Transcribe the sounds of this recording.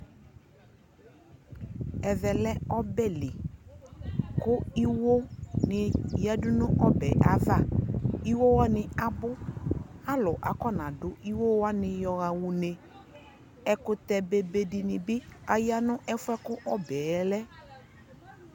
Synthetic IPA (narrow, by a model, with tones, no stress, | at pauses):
ɛ˨vɛ˨lɛ˦ɔ˦bɛ˦lɪ˨ | kʊ˦i˦wo˦nɪ˨ja˦dʊ˦nʊ̃˦ʔɔ˦bɛ˨ʔa˨va˦i˦wo˦wa˦nɪ˨a˨bʊ˦a˦lʊ˨ʔa̰˨kɔ˦˨nã˨dʊ˨ʔi˦wo˦wa˦nɪ̃˨jɔ˨ɣa˨wu˨ne˨ | ɛ˨kʊ˨t̪ɛ˨be˨be˨dɪ˨nɪ˨bɪ˦a˨ja˦nʊ˦ʔɛ˦fʊ˦ɛ˦kʊ˦ʔɔ˦bɛː˨˦lɛ˦